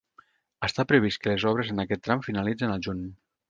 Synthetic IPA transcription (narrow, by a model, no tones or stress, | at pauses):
əst̪apɾəβ̞iskəlezɔβ̞ɾezənakɛt̪ːɾamfinalid͡zənalˠʒun